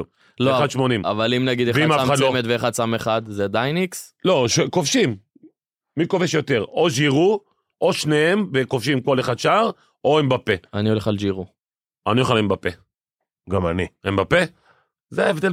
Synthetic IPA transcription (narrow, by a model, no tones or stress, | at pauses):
load̪ʃmonima̰valimnaɡid̪eχaimasamaslmet̪veːχad̪sameχad̪zed̪ajnikslo̞ʃkofʃimː | ikoveʃjo̞t̪e̞ʁoʒiʁu | ʔoʃneemvekofʃimko̞leχad̪ʃaaʁ | oembapeanioleχalʒiʁu | anioχalimbape | ɡamaniembape | zeaevd̪e